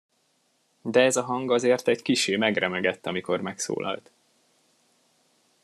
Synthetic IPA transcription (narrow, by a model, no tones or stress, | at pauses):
d̪ɛɛzɒɦɒŋɡɒzeːrt̪ɛɟkiʃeːmɛɡrɛmɛɡɛt̪ːɒmiko̞rmɛkso̰ːlʔɒ̰lt̪